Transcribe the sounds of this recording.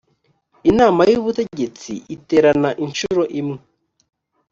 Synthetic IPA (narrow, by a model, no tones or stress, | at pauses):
inaːmajuβute̞ɟe̞t͡sḭʔite̞ːɾanaʔinʃuɾo̞ʔimŋe